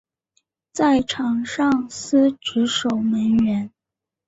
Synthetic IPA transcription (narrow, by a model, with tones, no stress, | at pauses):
t͡sa˥˩ɪʈ͡ʂʰɑ˨˩ŋʂɑ˥˩ŋs̩˥ʈ͡ʂɻ̩˧˥ʂo˨˩ʊmə˧˥nɥɛ˧˥n